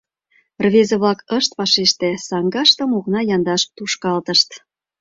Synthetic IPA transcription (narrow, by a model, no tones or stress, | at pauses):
rβezeβlɑkəʃt̪pɑʃeʃt̪esɑŋɡɑʃt̪ə̆moknɑjɑnd̪ɑʃt̪uʃkɑlt̪əʃt̪